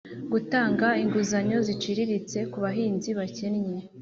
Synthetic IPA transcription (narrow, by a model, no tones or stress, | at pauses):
ɡutaːŋɡaiŋɡuzaɲo̞zit͡ʃiɾiɾit͡se̞kuβaɦiːnziβacenɲe